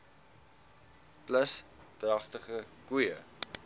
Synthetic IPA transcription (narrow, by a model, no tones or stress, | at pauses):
pləs | trɐχtəχəkujə